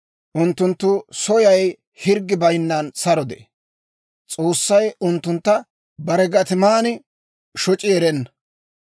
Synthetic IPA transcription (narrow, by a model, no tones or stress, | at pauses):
ʔʊnt̪ːʊnt̪ːʊsɔjɐj | hɪɾɡːɪbɐjnːɐnsɐɾɔd̪ḛ | t͡sʼo̞ːsːɐjʊnt̪ːʊnt̪ːɐ | bɐɾɛɡɐt̪ɪmaːnɪ | ʃɔt͡ʃʼɪɛɾɛnːɐ